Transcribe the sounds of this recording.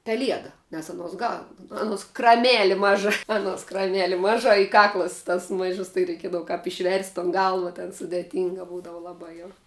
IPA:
pʲɛˈlʲiɛdɐ nʲɛs ɐˈnuɔs ɡɐlˠ ˈɑːnuɔs krɐˈmʲæːlʲɪ ˈmɑːʒɐ ɐˈnuɔs krɐˈmʲæːlʲɪ ˈmɑːʒɐ ɪ ˈkɑːklˠɐs tɐs ˈmɐɪʒʊs tɐɪ rʲɛɪˈkʲiɛdɐʋʊ kɐp ɪʃʲˈʋʲɛrʲsʲtʲ toːn ˈɡɐlˠʋɐ tʲɛn sʊdʲeːˈtʲiːŋɡɐ ˈbuːdɐʋʊ lˠɐˈbɐ jɛʊ

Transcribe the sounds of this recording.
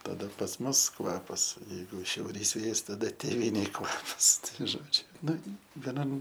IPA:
tɐˈdɐ pɐs ˈmʊs ˈkʋɑːpɐs jɛɪˈɡʊ ʃʲɛʊˈrʲiːs ˈʋʲeːjɛs tɐˈdɐ tʲeːˈʋʲiːnʲeːj ˈkʋɑːpɐs ˈtɐɪ ˈʒoːd͡ʒʲʊ ˈnʊ ʋʲɛˈnɐm

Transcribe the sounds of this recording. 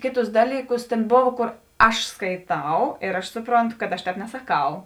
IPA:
ˈkʲeːˌtʊs ˈdɑːlʲiːˌkʊs tʲeːn ˈboːw ˈkoːr ˈɐʃ skɐɪˈtɐʊ ɪr ɐʃ ˈsʊproːnˌtʊ kɐt ɐʃ ˈtʲɛːp nʲɛsɐˈkɐʊ

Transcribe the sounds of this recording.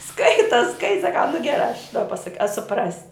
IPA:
ˈskɐɪtɐ ˈskɐɪ sɐˈkɐʊ nʊ ɡʲɛˈrɑː ɐʃ dɐ pɐˈsɐk ɐ sʊˈprɑːsʲɪ

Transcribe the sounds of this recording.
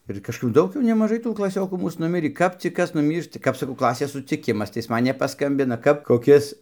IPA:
ɪr kɐʃˈkɐp ˈdɐʊk jɛʊ nʲɛmɐˈʒɐɪ tuː klˠɐˈsʲoːkuː ˈmuːs nʊˈmʲɪrʲiː ˈkɐp t͡sʲɪk ˈkɐs nʊˈmʲiːrʃtɐ ˈkɐp sɐˈkɐʊ ˈklˠɑːsʲeːs sʊt͡sʲɪˈkʲɪmɐs tɐɪ ˈɪs ˈmɐn nʲɛpɐˈskɐmʲbʲɪnɐ kɐp koːˈkʲɪs

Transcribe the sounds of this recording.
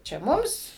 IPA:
t͡ʃʲɛ ˈmʊms

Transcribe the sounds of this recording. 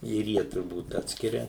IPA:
ɪr ˈjiɛ tʊrˈbuːt ˈɑːtʲsʲkʲɪrʲɛ

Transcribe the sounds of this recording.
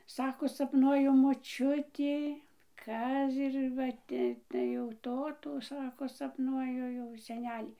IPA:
ˈsɑːkoː sɐpˈnuɔjʊ moːˈt͡ʃʲʊtʲɪ ˈkɐs ɪr ˈʋɐ ˈtʲɪ tɐɪ jɛʊ ˈtoːtuː ˈsɑːkoː sɐpˈnuɔjʊ jɛʊ sʲɛˈnʲæːlʲiː

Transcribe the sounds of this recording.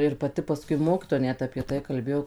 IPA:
ɪr pɐˈtʲɪ pɐˈskʊɪ ˈmoːkʲɪtoːjɛ ˈnʲɛt ɐpʲiɛ ˈtɐɪ kɐlʲˈbʲeːjoː

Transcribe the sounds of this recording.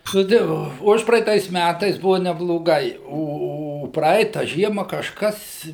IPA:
nʊ ˈtɐɪ ˈʋoː ˈʊʃprɐɛɪtɐɪs ˈmʲætɐɪs ˈbʊʋɐ nʲɛblˠoːˈɡɐɪ ˈoː oː ˈprɐɪtɐ ˈʒʲiɛmɐ kɐʃˈkɐs

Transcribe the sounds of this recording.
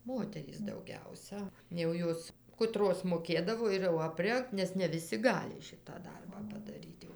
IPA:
ˈmoːtʲɛrʲiːs dɐʊˈɡʲɛʊsɐ jɛʊ ˈjoːs kʊˈtroːs moːˈkʲeːdɐʋoː ɪr jɛʊ ɐpʲˈrʲɛŋkt ˈnʲɛs nʲɛ ʋʲɪˈsʲɪ ˈɡɑːlʲɪ ˈʃʲɪtɑː ˈdɐrbɑː pɐdɐˈrʲiːt jɛʊ

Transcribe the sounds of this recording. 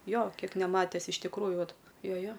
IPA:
ˈjoː ˈkʲiɛk nʲɛˈmɑːtʲɛs ɪʃ tʲɪkˈruːjʊ ˈʋɐt ˈjoː ˈjoː

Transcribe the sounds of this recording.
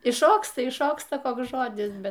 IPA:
ɪʃˈʃoːkstɐ ɪʃˈʃoːkstɐ ˈkoːks ˈʒoːdʲɪs ˈbʲɛt

